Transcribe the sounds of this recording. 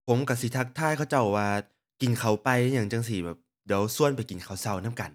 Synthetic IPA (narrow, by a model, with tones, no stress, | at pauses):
pʰo˨˦mka˧˩si˨˦t̪ʰa˦˥k̚t̪ʰaː˥˩jkʰa˧˩wt͡ɕa˧˩wːaː˧ | ki˨˩nkʰa˨˦wpa˧jjaː˨˩ŋt͡ɕa˧ŋs̬i˧˩bɛː˨˩p̚di˨˦əwsu˥˩ənpa˧˩jki˨˩nkʰa˨˦wsa˧˩wnaː˦˥˨mka˧˨˩n